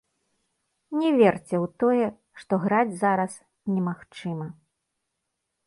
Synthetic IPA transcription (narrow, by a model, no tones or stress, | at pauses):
nʲɛvʲɛrt͡sʲɛwt̪ɔjɛ | ʂt̪ɔɣɾad͡zʲzaɾɐs | nʲɛmaxt͡ʂɨmɐ